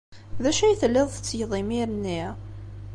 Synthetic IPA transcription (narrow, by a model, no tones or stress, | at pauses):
ðæʃæjθəlːɪðˤθət͡sːjðˤimiɾnːi